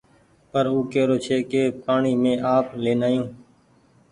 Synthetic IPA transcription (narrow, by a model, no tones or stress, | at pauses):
pəɾuːkeːɾoːt͡ʃʰeːkeːpaːɳiːmẽːʔaːpleːnaːjũː